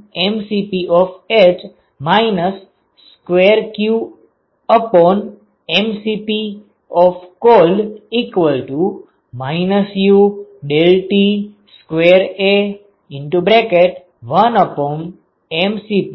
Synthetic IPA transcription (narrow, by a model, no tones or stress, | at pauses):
emsipiʔɔfet͡ʃ | maɪnəsː | kʋeɾkju | əpɔn | emsipi | ɔfkolikʋəlʈu | maɪnəsjuɖelʈi | skʋeɾe | ɪ̃ɳʈubɾekeʈ | ʋənəpɔn | emsipi